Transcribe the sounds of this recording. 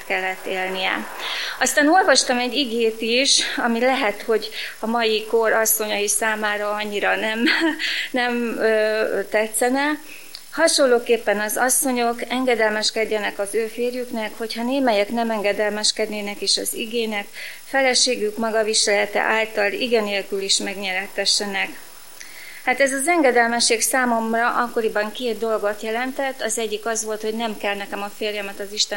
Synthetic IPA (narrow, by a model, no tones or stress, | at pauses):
t̪kɛlːɛt̪ːeːlnijɛ̰ɒst̪aːno̞lvɒʃt̪ɒmɛɟːiɡeːt̪iʃɒmilɛɦɛt̪ho̞ɟɒmɒjiko̞ɾɒsːo̞ɲɒjisaːmaːɾɒɒɲːiɾɒnɛmnɛmøːt̪ɛt̪sɛnɛ | hɒʃo̞lːoːkeːpːɛnɒzɒsːo̞ɲo̞kɛŋɡɛd̪ɛlmɛʃkɛɟːɛnɛkɒzøːfeːrjyknɛkho̞chɒneːmɛjɛknɛmɛŋɡɛd̪ɛlmɛʃkɛd̪neːnɛkeːʃɒ̰zḭɡeːnɛkfɛlɛʃeːɡykmɒɡɒviʃɛlɛt̪ɛ̰ʔaːlt̪ɒlḭɡɛneːlkyliʃmɛɡɲɛɾɛt̪ːɛʃːɛnɛk | haːt̪ɛzɒzɛŋɡɛd̪ɛlmɛʃːeːksaːmo̞mrɒʔɒkːo̞ɾibɒŋkeːt̪̚d̪o̞lɡo̞t̪jɛlɛnt̪ɛt̪ːɒzɛɟːikɒzʋo̞lt̪ho̞ɟnɛmkɛlnɛkɛmɒfeːrjɛmɛt̪ɒziʃt̪ɛ